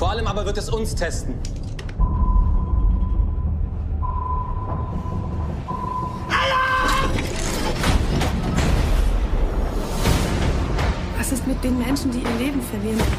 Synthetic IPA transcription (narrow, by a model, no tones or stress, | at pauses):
foɐʔaləmʔaːbɐvɪɐtɛsʊnstʰɛstn̩ | halo | v̥asɪstmɪt̚d̥eːnmɛnʃn̩diːiːɐleːbm̩fɛɐvɪɐʁən